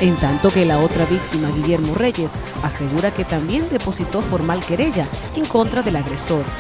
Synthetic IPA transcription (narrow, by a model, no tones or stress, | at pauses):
e̞nt̪ant̪o̞ke̞lao̞t̪ɾaβik̚t̪imaɣiʝe̞ɾmo̞re̞ʝe̞s | ase̞ɣuɾake̞t̪ambje̞nd̪e̞po̞sit̪o̞fo̞ɾmalke̞ɾe̞ʝa | eŋko̞nt̪ɾaðe̞laɣɾe̞so̞ɾ